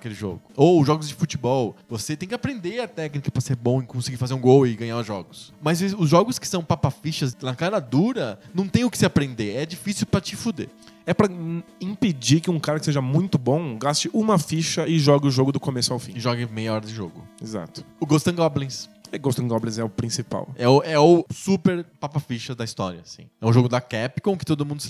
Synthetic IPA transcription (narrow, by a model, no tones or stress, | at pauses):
ɐkelɪʒo̰ɡʊoʒɔɡʊzd͡ʒɪfut͡ʃibɔwvoset̪ẽj̃kʲɪapɾẽnd̪eɐt̪ɛknikɐpɾɐseɾbõɪkõsɪɡiɾfazeɾũɡowɪɡɐ̃ɲaʊʒɔɡʊsmɐzʊzʒɔɡʊskɪ̥sɐ̃w̃papafiʃɐznɐkaɾɐd̪uɾɐnɐ̃w̃t̪ẽj̃ʊkɪ̥seapɾẽnd̪eɛd͡ʒifisiwpɾɐt͡ʃɪfud̪ḛɛpɾɐĩped͡ʒikɪũkaɾɐkɪseʒɐmũj̃t̪ʊbõw̃ɡast͡ʃɪʔũmɐfiʃɐɪʒɔɡɪʊʒoɡʊd̪ʊkomesʊawfĩɪʒɔɡɪmejɐɔɾɐd͡ʒɪʒo̰ɡʊeza̰t̪ʊ̥ʊɡost̪ɐ̃ɡɔblẽsɛɡost̪ẽɡɔblẽzɛʊpɾĩsipa̰wɛʊɛʊsupeɾpapafiʃɐd̪ɐist̪ɔ̰ɾjɐsḭ̃ɛʊʒoɡʊd̪ɐkɛpi̥kõw̃kɪ̥t̪od̪ʊmũnd̪ʊ